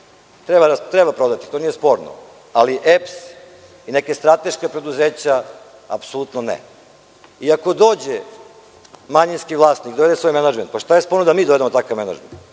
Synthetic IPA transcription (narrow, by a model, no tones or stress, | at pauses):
t̪ɾebat̪ɾebapɾo̞d̪at̪i̥t̪o̞nijespo̞ɾno̰ | aliʔeps | inekest̪ɾat̪e̞ʃkepɾe̞d̪uzeːt͡ɕa | a̰psolut̪nonḛ | iako̞d̪o̞ːd͡ʑe | maɲinskiʋlˠaːst̪nikd̪oe̞d̪esʋo̞jmenad͡ʒment̪̚paʃt̪ajespo̞ɾnod̪amiːd̪oe̞d̪eot̪akaʋme̞na̰d͡ʒment̪